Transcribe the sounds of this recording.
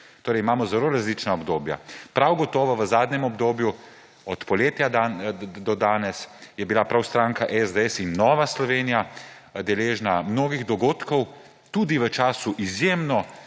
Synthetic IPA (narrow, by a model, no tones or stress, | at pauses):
t̪oːɾɛjimaːmɔzɛloɾazlit͡ʃnaɔbd̪oːbja̰pɾawɡɔt̪ɔːʋɔʋəzaːd̪nʲɛmɔbd̪oːbju | ɔt̪pɔleːt̪jad̪ad̪ɔd̪aːnɛsjɛbilapɾawst̪ɾaːŋkaʔɛzd̪əɛsinːɔːʋaslɔʋeːnijad̪ɛleːʒnamnoːɡiɣd̪ɔɡoːt̪kɔw | t̪ud̪iʋət͡ʃaːsuʔizjeːmnɔ